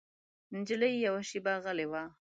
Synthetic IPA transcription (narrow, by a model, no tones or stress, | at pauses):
nd͡ʒəlajjawaʃibaɣəlewa